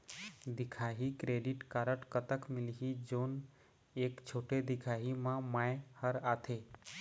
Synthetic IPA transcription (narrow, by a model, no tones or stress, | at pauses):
d̪ɪkʰaːɦikɾeːɖɪʈkaːɾəʈkət̪əkmɪlɦid͡ʒoːn | eːkt͡ʃʰoːʈed̪ɪkʰaːɦimãmajhəɾaːt̪ʰeː